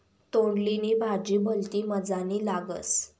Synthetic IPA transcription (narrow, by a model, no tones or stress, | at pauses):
t̪oɽlinibʱad͡ʑiːbʱəlt̪iːməd͡zanilaɡə̰t͡s